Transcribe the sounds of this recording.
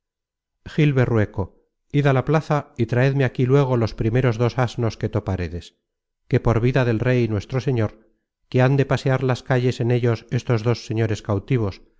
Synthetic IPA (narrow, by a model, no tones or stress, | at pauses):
xilβe̞rwe̞ko̞ | iðalaplaθait̪ɾaeðmeakilwe̞ɣ̞o̞lo̞spɾime̞ɾo̞zðo̞sazno̞ske̞t̪o̞paɾeðe̞s | ke̞po̞ɾβiðaðe̞lre̞jnwe̞st̪ɾo̞se̞ɲo̞ɾ | keand̪e̞pase̞aɾlaskaʎe̞se̞ne̞ʎo̞se̞st̪o̞zðo̞sːe̞ɲo̞ɾe̞skawt̪iβ̞o̞s